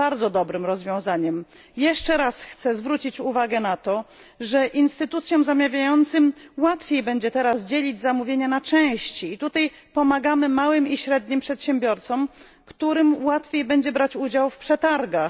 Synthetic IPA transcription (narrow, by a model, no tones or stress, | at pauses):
aɾd̪zɔd̪ɔbɾɘmɾɔzvʲjɔ̃w̃zaɲɛm | jɛʂt͡ʂɛɾasxt̪sɛzvɾut͡ɕit͡ɕuvaɡɛnat̪ɔ | ʐɛʔinst̪ɘt̪ut̪sʲjɔmzamʲjavʲjajɔnt̪sɘmwat̪fʲjejbɛɲd͡ʑɛt̪ɛɾasd͡ʑelʲid͡ʑzamuvʲjeɲɛnat͡ʂɛ̃w̃ɕt͡ɕiːt̪ut̪aj | pɔmaɡamɘmawɘmiɕɾɛd̪̚ɲimpʂɛt̪ɕɛmbʲjɔɾt̪sɔm | kt̪uɾɘmwat̪fʲjejbɛɲd͡ʑɛbɾat͡ɕud͡ʑawfpʂɛt̪aɾɡax